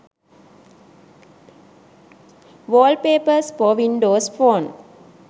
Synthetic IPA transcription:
ʋoːlpeːpəspɔːʋĩɳɖoːsfoːn

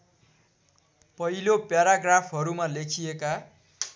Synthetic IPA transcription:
pʌɦilopjaɾaɡrapʰɦʌɾumalekʰijeka

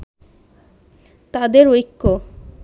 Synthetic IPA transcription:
t̪ad̪eɾojkːo

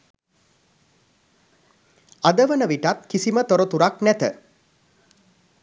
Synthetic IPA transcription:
ad̪əʋənəʋiʈat̪kisimət̪oɾot̪uɾaknɛt̪ə

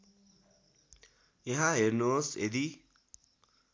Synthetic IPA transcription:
eɦaɦeɾnosḛd̪i

